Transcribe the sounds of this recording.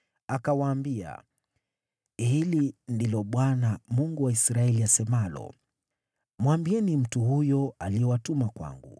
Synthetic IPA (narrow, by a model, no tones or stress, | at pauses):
akawaːmbia̰ | hilindilɔɓwanamuŋɡuwaisɾaɛliasɛmalɔ̰ | mwambiɛnim̩tuhujɔaliɛwatumakwa̰ŋɡṵ